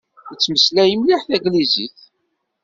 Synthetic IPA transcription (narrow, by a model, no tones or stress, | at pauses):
ət͡sːməslæjəmliħθæɡliziθ